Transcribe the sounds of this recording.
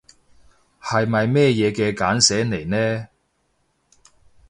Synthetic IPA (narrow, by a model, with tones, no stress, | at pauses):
hɐ˨jmɐ˨jmɛː˥˧jɛː˨˧kɛː˧kaː˨˥nsɛː˨˥ne˨˩jnɛː˥